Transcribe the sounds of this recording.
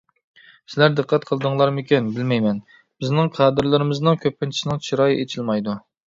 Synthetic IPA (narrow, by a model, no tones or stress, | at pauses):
sɪlæɾd̪ɨqʰːæt̪̚qʰəlˠɨd̪ɨŋlˠɑɾmɪkʲinbɪlmɛjmɛn | b̥ɪznɪŋqʰɑːd̪ɨɾlɪɾɪmɪznɨŋkʲʰøpːɪnt̪ʰi̥ʃnɪŋt͡ʃʰiɾɑːjiʔet͡ʃʰilmɑjd̪u